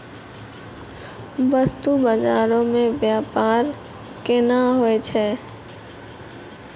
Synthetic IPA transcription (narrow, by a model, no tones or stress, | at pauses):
bəst̪ubad͡ʒaːɾõmẽbjaːpaːɾ | kɪnaɦoet͡ʃʰɛ